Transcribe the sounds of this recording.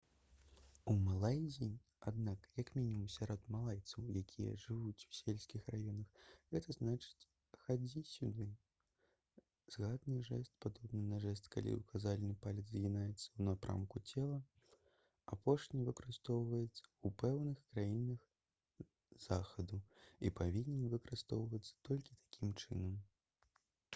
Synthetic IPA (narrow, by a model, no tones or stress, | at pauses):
umalˠajzʲinʲ | ad̪nakjɐkmʲinʲimumsʲaɾɔd̪malˠajt̪sɐwjakʲʰijɐ̰ʐɨvut͡sʲu̥sʲelʲsʲkʲixrajɔnɐxɣɛt̪ɐznat͡ʂɨ̥t͡sʲ | xad͡zʲisʲud̪ɨ | z̥ɣad̪nɨʐɛst̪̚pad̪ɔbnɨnɐʐɛst̪ka̰lʲḭukazalʲnɨpalʲɐd̪zzʲɣʲinajɛt̪sːɐwnapɾa̰mkut͡sʲɛlˠɐ | apʰɔʂnʲivɨkɐɾɨst̪ɔwvɐjɛt̪sːɐ̥upɛwnɨxkɾajinɐx | z̥axɐd̪uipavʲinʲɛnvɨkɐɾɨst̪ɔwvɐt̪sːɐ̥t̪ɔlʲkʲit̪ʰḁkʲimt͡ʂɨnɐm